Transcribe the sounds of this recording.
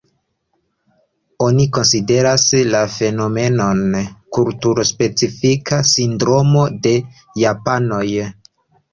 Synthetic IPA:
o̞niko̞nside̞ɾaslafe̞no̞me̞no̞nkultuɾospe̞t͡sifikʰasindɾo̞mo̞de̞ | japano̞j

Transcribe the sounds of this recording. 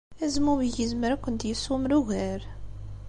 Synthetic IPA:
æzmuwiʝəzməɾækʷːənt̪jəsumɾuʝæɾ

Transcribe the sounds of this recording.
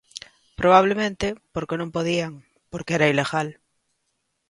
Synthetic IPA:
pɾoβ̞aβ̞lemẽnt̪epoɾkenõmpoðiaŋ | poɾkeɛɾaileɣal

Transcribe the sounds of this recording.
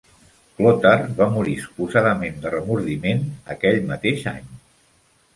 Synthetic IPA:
klot̪ərβamuɾisu̥puzaðəmend̪ərəmuɾðimenə̰kɛʎmət̪eʒa̰ɲ

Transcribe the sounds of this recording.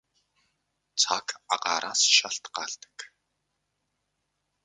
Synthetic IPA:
t͡sʰakaɢaːɾʔaːsʃaɬt̪ɢaːɮt̪ə̥̆k

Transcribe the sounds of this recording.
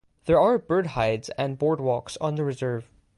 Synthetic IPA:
ðɛɹaɹbɜɹd̚haɪdzɛ̃nbɔɹd̚wɔksɔ̃nðəɹɪzɜɹv̥

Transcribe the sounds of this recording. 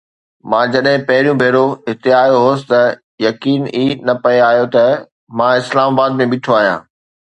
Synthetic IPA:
mãːd͡ʑɐɗɦɪ̃pɐɦɪɾijũbʱeːɾoɦɪt̪eaːjoɦoːsɪ̥t̪ɐ | jɐkiːniːnɐpɐeaːɦijot̪ɐ | mãːɪslaːmaːbaːd̪mẽɓɪʈʰoaːɦijã̰ː

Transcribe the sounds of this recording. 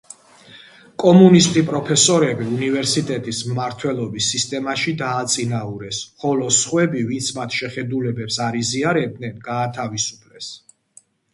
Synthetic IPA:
kʼɔmunist̪ʼipʼɾɔpʰɛsɔɾɛbiunivɛɾsit̪ʼɛt̪ʼismmaɾt̪ʰwɛlˠɔbisːist̪ʼɛmaʃid̪aːt̪sʼinauɾɛsχɔlɔsχwɛbivint̪sʰmat̪ʰʃɛχɛd̪ulɛbɛpsaɾiziaɾɛb̚d̪nɛnɡaːt̪ʰavisu̥pʰlɛs

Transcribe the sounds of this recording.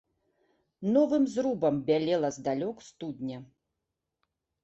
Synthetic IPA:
nɔvɨmzrubɐmbʲalʲɛlˠɐzd̪alʲɔkst̪ud̪ʲnʲɐ

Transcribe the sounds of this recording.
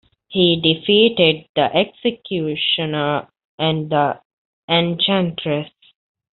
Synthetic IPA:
hiːɖifiːʈeɖ̚d̪əʔeksekʰjuːʃə̃nə | ʔæ̃ɳɖd̪ə | ẽnt͡ʃæ̃nʈɾes

